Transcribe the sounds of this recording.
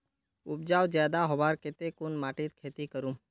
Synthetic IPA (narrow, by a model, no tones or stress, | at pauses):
ʊp̚d͡ʒaːwd͡ʒjaːd̪aɦobaːɾket̪ekʊnmaːʈit̪̚kʰeːt̪ikəɾũ